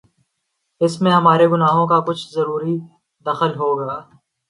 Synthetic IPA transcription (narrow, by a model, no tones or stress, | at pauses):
ɪsmẽɦɐmaːɾeɡʊnaːɦõkakʊt͡ʃʰzɐɾuːɾi | d̪ɐxəlɦoːɡaː